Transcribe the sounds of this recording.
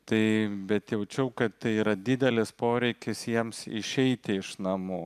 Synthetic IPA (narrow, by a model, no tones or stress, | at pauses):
t̪ɐɪbʲɛt̪jɛʊt͡ʃʲɛʊkɐt̪t̪ɐɪiːɾɐd̪ʲɪd̪ʲɛlʲɪspoːɾʲɛɪkʲɪsjiɛmsɪ̰ʃʲɛɪt̪ʲɪɪʃnɐmuː